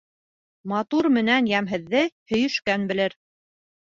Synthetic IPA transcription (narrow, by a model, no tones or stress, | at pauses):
mɑt̪uɾmɘ̆nænjæmɦɘ̆ðːɘhɵ̆jɵ̆ʃkænbɘ̆lɘɾ